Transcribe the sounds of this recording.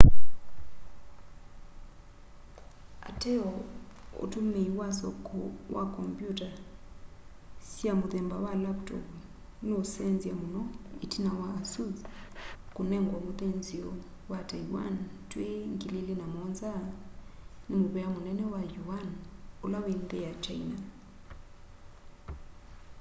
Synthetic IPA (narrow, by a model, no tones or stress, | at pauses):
a̰tʰɛɔo̰tʰumiwasɔ̰kʰʼɔwa̰kʰʼɔmpʼjutʼa | siamuðɛmbawalaptʰɔ̰p | nosɛnd͡zijamunɔitʰinawaːsuz | kunɛŋɡwamuðɛnziɔ | watʰajiwa̰ntweŋkililinamɔnza | nimuβɛamunɛnɛwajuanulawindɛjat͡ʃaina